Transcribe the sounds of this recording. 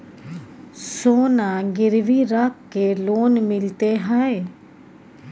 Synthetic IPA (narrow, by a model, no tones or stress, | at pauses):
soːnaɡɪɾʋiɾakːeloːnmɪlt̪eɦae